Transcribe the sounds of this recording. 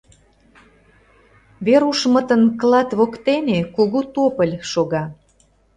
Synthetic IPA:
βeɾuʃmə̆t̪ənklˠɑt̪βokt̪enekuɣut̪opəlʲʃoɣɑ

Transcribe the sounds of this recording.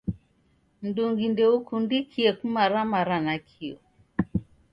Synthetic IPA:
nduŋɡindɛukundikʰiɛkumaɾamaɾanakʰiɔ̰

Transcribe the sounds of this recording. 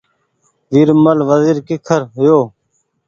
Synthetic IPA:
ʋiɾməlʋəziːɾkɪkʰəɾɦʊjoː

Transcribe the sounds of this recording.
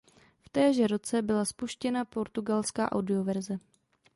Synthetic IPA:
ft̪ɛːʒɛɾot͡sɛbɪlaspuʃcɛnapo̞ɾt̪uɡalska̰ːʔa̰wdɪo̞vɛɾzɛ

